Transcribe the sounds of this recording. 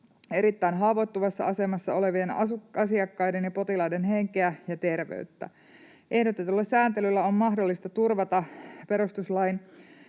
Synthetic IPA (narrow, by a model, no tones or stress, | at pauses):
e̞ɾit̪ːæinɦɑʋot̪ːuʋɑsːɑ̰ɑse̞mɑsːɑo̞le̞ʋienɑ̰sukɑsiɑkːɑjde̞njɑpo̞t̪ilɑidenɦe̞ŋkeæjɑt̪e̞rʋḛyt̪ːæ̰ | ʔe̞hdot̪et̪ulːɑssæːnt̪elylːæommɑhdo̞lːist̪ɑt̪urʋɑt̪ɑpe̞ɾust̪uslɑin